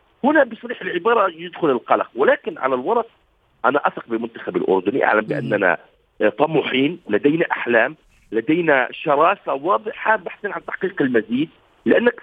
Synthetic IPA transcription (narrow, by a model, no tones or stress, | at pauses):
hʊnabɪsˤɑɾiːħɪlʕɪbɑːɾˤɑjɪd̪xʊlɪlqɑla̰qwɪlaːkɪnʕa̰lalwɑɾˤɑq̚ | ʔanaʔasɑqbɪmʊnt̪ḁxabɪlʔʊ̰ɾd̪ʊnḭʔa̰ʕlambɪʔa̰nːana̰ | t̪ˤɑmːʊħiːnlad̪ajnaʔaħlaːm | lad̪ajnaʃɑɾˤɑːsawɑːd̪ˤɨħabaħsiːnʕant̪aħqiːqɪlmaziːd̪̚ | lɪʔanːak